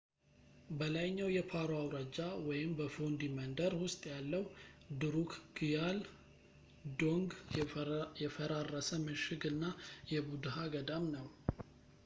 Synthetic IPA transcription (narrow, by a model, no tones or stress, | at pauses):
bəlajɲːawjɛpʰaɾoawɾəd͡ʒawɔjɪmbəfond̪imənd̪əɾwʊst̪ʼjalːəwd̪ɨɾukʰɡ̥ijal | d̪oŋɡ | jɛfəɾarːəsəmɨʃɪɡɨnːajɛbud̪ɦaɡəd̪amnəw